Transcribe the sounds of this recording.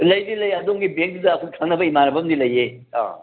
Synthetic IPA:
lɐjdilɐjɐd̪oŋɡibeŋkdɐːkʰukʰɐŋnɐbɐimanɐbɐmdilɐje | ã̰

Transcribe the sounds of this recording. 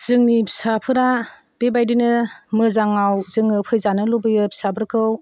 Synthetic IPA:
z̥ɯŋnipsapʰɯɾa | b̥ebajdinɯmɯzaŋawzɯŋɯpʰɯjzanɯlobɯjɯpsabɯɾkʰɯw

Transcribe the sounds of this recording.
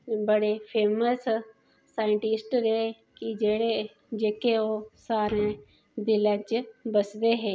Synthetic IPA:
bəɽepʰeːməsː | aːɪɳʈɪsʈɾeː | kid͡ʒeːɽe | d͡ʒeːkeoːsaːɾẽː | d̪ɪlə̃t͡ʃbəsd̪eːɦeː

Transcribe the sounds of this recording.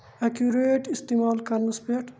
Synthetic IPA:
ɐkjuɾeːʈist̪emaːlkɐɾnɐspeʈ

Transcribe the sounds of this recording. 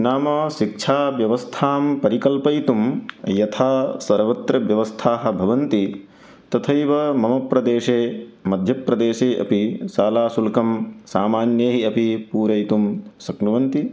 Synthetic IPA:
naːmɐʃik̚ʂʰaːʋjɐʋɐst̪ʰaːmpɐɾikɐlpɐjt̪umjɐt̪ʰaːsɐɾʋɐt̪ɾɐʋjɐʋɐst̪ʰaːɦɐ̆bʱɐʋɐnt̪i | t̪ɐt̪ʰɐjʋɐmɐmɐpɾɐd̪eːʂeːmɐd̪ʱjɐpɾɐd̪eːʃeːʔɐ̰pisaːlaːsulkɐmsaːmaːnjeːɦiɐpipuːɾɐjt̪umsɐknuʋɐnt̪i

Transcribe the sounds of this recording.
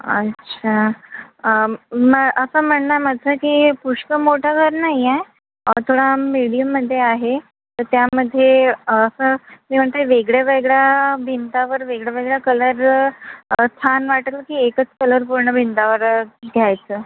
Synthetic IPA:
ə̰tːɕʰa | məʔəsəːm̤əɳnaməd͡zəkiːpuʂkəmoʈʰaɡʱəɾnaie | ət̪ʰoɽamiɽijəmːəd̪ʱːjeaɦe | t̪əɾt̪jaməd̪ʱːjeəsəmiːm̤əɳt̪eʋeɡɭjaʋeɡɭjabʱint̪aʋəɾʋeɡɭjaʋeɡɭjakələɾ | st̪ʰanʋaʈət̪ləkiːekət͡skələɾpuɾɳəbʱint̪aʋəɾɡ̪ʱjajt͡səː

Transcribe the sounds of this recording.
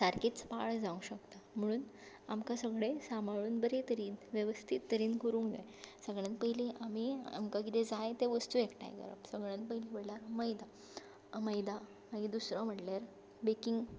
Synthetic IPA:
saɾkit͡spaɭd͡zaũɕəkt̪am̤əɽ̃uːn | amkasəɡɭesamaɭuːnbəɾet̪əɾiːnʋjeʋəst̪ʰit̪ːəɾiːnkəɾũːŋɡd͡za̰j | səɡɭãnt̪pəɦileʔamia̰mkakit̪ed͡zajt̪eʋəst̪uekʈa̰j̰ɡə̰ɾə̰bsəɡɭãnt̪pəɦiliʋəɽlaɾməjd̪a | məjd̪a | maɡid̪usɾə̃m̤əʈlaɾ | bekiŋɡ

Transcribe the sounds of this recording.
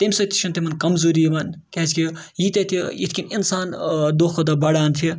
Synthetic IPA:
t̪emsɐt̪ʰi̥t͡ʃʰunt̪emɐnkɐmzuɾimɐnkezkʲi | jit̪ɐt̪ʰiḭt̪ʰkʲininsaːnd̪oːkʰod̪ɐbɐɽaːnt̪ʰi

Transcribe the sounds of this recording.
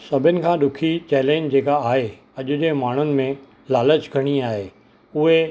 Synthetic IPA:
sɐbʱɪnɪ̆kʰãːɗʊkʰit͡ɕɛːlɛ̃ːɲd͡ʑd͡ʑeːkaaːɦe | ɐʄʊd͡ʑeːmaːɳ̤ʊnɪ̆mẽ | laːlət͡ɕɡʱɐɽ̃iaːɦeː | ʊɦe

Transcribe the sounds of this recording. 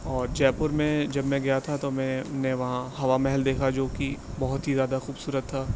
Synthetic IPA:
ɔːɾd͡ʒɛːpʊɾmẽd͡ʒɐbmɛ̃ɡɐjat̪ʰat̪omɛ̃ʊnẽʋɐɦãɦɐʋamɛɦɛld̪eːkʰad͡ʒoːkibɐɦʊt̪ɦizjaːd̪axuːbsuːɾət̪ʰːaː

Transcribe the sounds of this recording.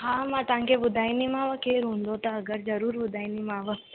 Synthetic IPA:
ɦãːmãt̪ãŋkebʊd̪ʱaːinimãːʋəkeːɾɦũːnd̪ot̪aɐɡəɾzɐɾuːɾbʊd̪ʱaːinimaːʋə

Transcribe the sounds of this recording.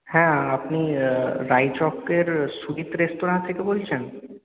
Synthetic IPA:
hɛ̃apniɾajt͡ʃɔkeɾsuɾit̪ɾesʈoɾãnt̪ʰekebolt͡ɕʰen

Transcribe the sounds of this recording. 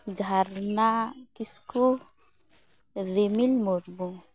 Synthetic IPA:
d͡ʒʱaɾnakisku | ɾimilmoɾmu

